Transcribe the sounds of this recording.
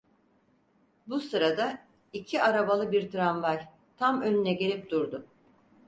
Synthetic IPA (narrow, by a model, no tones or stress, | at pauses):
busɯɾad̪a | icʰiaɾabalˠɯbiɾt̪ɾanvaj | t̪ʰamønynɛɟe̞lʲip̚d̪uɾd̪ʊ